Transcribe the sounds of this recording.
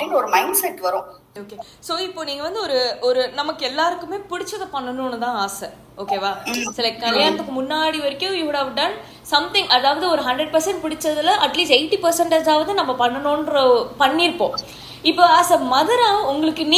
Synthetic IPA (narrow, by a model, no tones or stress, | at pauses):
ɐːiːŋɡɐɔɾɯmɐɪnɖsɐɪʈːʋɐɾõː | oːke | soːɪpːoːniːŋɡɐʋɐnd̪ɯɔɾɯɔɾɯnɐmɐkːɯɛlːaːɾɯkːɯmeːpɪɽɪt͡ʃːɐðɐpɐɳːɐnoːnɯt̪ãːaːsɛ | oːkeːʋaːsɛlɛk̚ʈkɐlɪjaːɾɐt̪ːɯkːɯmʊnːaːɽiʋɐɾɪkːʊ̃juɽaːʋɖɐn | sɐmt̪ɪ̃ŋɡɐðaːʋɐðɯɔɾɯɦɐɳɖɾɛɖ̚pɐɾsɛɳʈ̚pɪɽɪt͡ʃːɐðɪlɐʔɐʈliːsʈɐɪʈːipɐɾsɐɳʈɐðaːʋɐðɯnɐmːɐpɐnːɐnõːnɾɐpɐɳːɪɾɯpːõː | ɪpːoːaːsemɐðɐɾãːʊŋɡɐɭɯkːɯni